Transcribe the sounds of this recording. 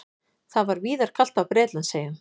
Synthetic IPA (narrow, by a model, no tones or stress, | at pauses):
θaðvaɾviːðaɾ̥kʰal̥t̪awpɾɛːt̪lʏnseːjan